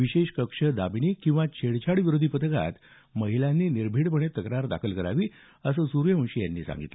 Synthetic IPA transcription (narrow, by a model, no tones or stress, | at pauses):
ʋiɕeɕkəkʂəd̪abiniːkĩw̃ʋat͡ɕʰeɽt͡ɕʰaɽʋiɾod̪ʱipət̪əka̰t̪ | məɦilanːiːniɾbʱiːɽpəɳet̪əkɾaɾd̪a̰kʰəlkəɾa̰ʋiː | əsəːsuɾjəə̃ɕijanːiːsã̰ŋɡḭt̪lə